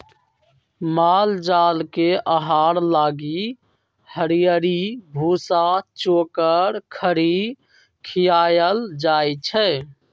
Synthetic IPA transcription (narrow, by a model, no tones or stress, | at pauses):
mald͡ʒalkeəɦaɾlaɡi | həɾijəɾibʱusat͡ʃokəɾkʰəɾi | kʰijajəld͡ʒajt͡ʃʰɛ